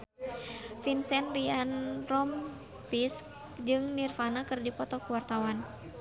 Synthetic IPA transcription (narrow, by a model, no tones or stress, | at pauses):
finsɛnrianrɔm | pisk | d͡ʒɨŋnirfanakɨrdipɔt̪ɔkuwart̪awan